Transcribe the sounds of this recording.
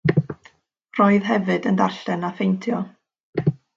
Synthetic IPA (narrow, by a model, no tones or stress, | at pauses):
roːɨðɦɛvɨdəndarɬɛnafejntʰjɔ